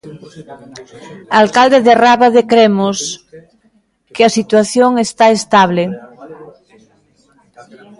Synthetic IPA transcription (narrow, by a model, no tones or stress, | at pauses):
aalkald̪eðeraβaðekɾemos | kɪɐsit̪waθjoŋest̪aest̪aβ̞le